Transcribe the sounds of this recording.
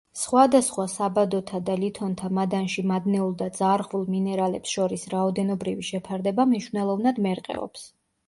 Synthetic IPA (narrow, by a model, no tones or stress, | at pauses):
sχwad̪asχwasabad̪ɔt̪ʰad̪alit̪ʰɔnt̪ʰamad̪anʃimad̪nɛulˠd̪ad̪zaɾʁvulˠminɛɾalɛpsʃɔɾisɾaɔd̪ɛnɔbɾiviʃɛpʰaɾd̪ɛbamniʃwvnɛlˠɔvnad̪mɛɾqʼɛ̰ɔ̰ps